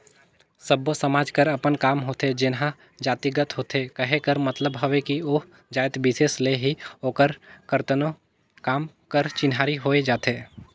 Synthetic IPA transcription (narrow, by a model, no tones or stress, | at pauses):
səbosɐmaːd͡ʒkəɾɐpənkaːmɦoːt̪ed͡ʒɪnɦã | d͡ʒaːt̪iɡət̪ɦoːt̪ekɐɦekəɾmɐt̪ləbɦɐʋekioːɦ | d͡ʒaːɪt̪bɪseːsleɦioːkəɾkəɾt̪əno | kaːm | kəɾt͡ʃɪnɦaːɾiɦoːed͡ʒaːt̪eː